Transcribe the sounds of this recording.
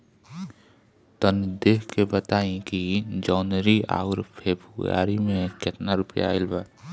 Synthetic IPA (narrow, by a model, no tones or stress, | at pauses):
t̪ənd̪eːkʰkebət̪aːẽkid͡ʒɔːnɾiʔa̰ːʋɾpʰeːbʱuja̰ːɾimẽkɪt̪naɾʊpja̰ɪlbaː